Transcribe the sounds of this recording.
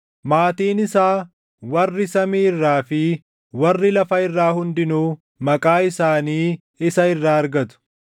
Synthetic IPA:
maːt̪iːnɪsaː | wɐrːɪsɐmiːɪrːaːfɪ | wɐrːɪlɐfɐɪrːaːhʊnd̪ɪnuː | mɐkʼaːɪsaːniː | ɪsɐɪrːaːɐɾɡɐt̪ʊ̥

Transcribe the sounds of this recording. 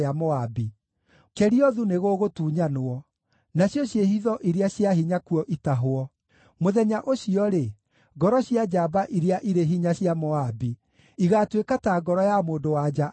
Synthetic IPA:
amɔabi | kɛɾiɔðuneɣoːɣotuːɲanoɔ | naɕjɔɕjehiðɔʔiɾeaɕjaɦiɲakuɔʔitaɦoɔ | moðɛɲaʔoɕiɔɾe | ɡɔɾɔɕjad͡ʒabaʔiɾeaʔiɾeɦiɲaɕjamɔabi | iɣatwekataɡɔɾɔjamoːdowad͡ʒa

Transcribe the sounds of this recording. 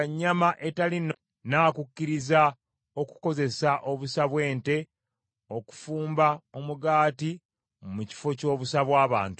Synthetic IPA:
ɲːamaʔe̞talin | naːkucːiɾiza | o̞ku̥ko̞ze̞saʔo̞βusaβwe̞ːnte̞ | o̞ku̥fuːmbao̞muɡaːti | muci̥fo̞co̞ːβusaβwaːβa̰ːntu

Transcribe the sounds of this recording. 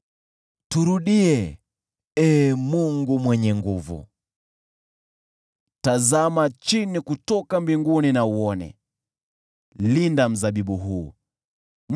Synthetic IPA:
tuɾuɗiɛ | ɛːmuŋɡumwɛɲɛŋɡuvṵ | tazamat͡ʃinikutɔkambiŋɡuninauɔnɛ̰ | lindam̩zaɓiɓuɦuː

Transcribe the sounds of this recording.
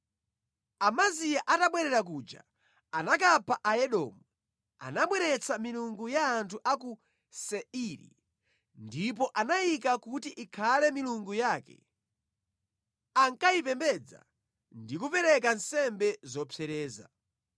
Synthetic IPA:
amazijaʔataɓwɛɾɛɾak̬uːd͡ʒa̰ | anak̬apʰaʔaɛɗɔ̰ːmu | a̰naɓwɛɾɛt͡sʰamiluŋɡujaːntʰuʔaku | sɛiɾḭ | ndip̬ɔʔanajik̬akutiʔikʰalɛmiluŋɡujaːkɛ̰ | aŋkaipɛmbɛd͡za̰ | ndikupɛɾɛk̬ansɛmbɛzɔpʰɛɾɛːza̰

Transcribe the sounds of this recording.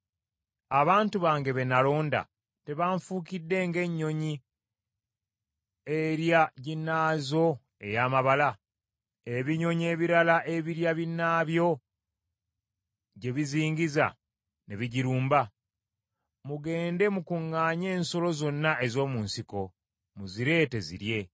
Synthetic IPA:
aβaːntuβaːŋɡe̞βe̞nalo̞ːnda̰ | te̞βaɱfuːkidːe̞ŋɡe̞ɲːo̞ɲi | eɾjaɟinːaːzo̞ | e̞̰jaːmaβala | e̞βiɲo̞ɲie̞ːβiɾalaʔe̞βiɾjaβinːaːβjo̞ | ɟe̞βiziːɲɟiza̰ | neβiɟiɾuːmba | muɡe̞ːnde̞mukuŋːaːɲe̞ːnso̞lo̞zo̞nːaʔe̞zo̞ːmuːnsiko̞ | muziɾe̞te̞zḭɾje̞

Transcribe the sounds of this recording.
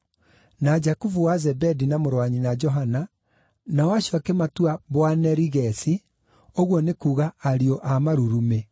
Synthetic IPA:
nad͡ʒakuvuwazɛbɛdinamoɾwaɲinad͡ʒɔɦana | nawaʃakɛmatuaβwanɛɾiɣɛsi | oɣwɔnekuːɣaːɾiɔʔamaɾuɾume

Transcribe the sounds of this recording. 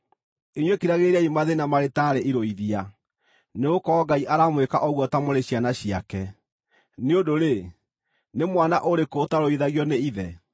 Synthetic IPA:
iɲwekiɾaɣeɾaimaðenamaɾetaɾeʔiɾoiðia | neɣokɔɡaiʔaɾamwekaʔɔɣwɔtamoɾeɕjanaɕiakɛ | neodoɾe | nemwanaʔoɾekotaɾoiðaɣjɔneiðɛ

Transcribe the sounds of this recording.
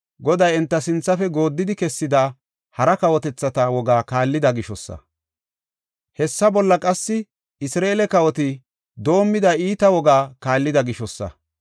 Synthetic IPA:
ɡɔd̪ɐjɛnt̪ːɐsɪnt͡sːɐfɛɡo̞ːd̪ːɪd̪ɪkɛsːɪd̪aː | hɐɾɐkɐwɔt̪ɛt͡sːɐt̪ɐwɔɡaːkaːlːɪd̪ɐɡɪʃɔsːɐ̰ | hɛsːɐbɔlːɐkʼɐsːɪ | ɪsɾeːlɛkɐwɔt̪ɪ | d̪o̞ːmːɪd̪ɐiːt̪ɐwɔɡaːkaːlːɪd̪ɐɡɪʃɔsːɐ̰

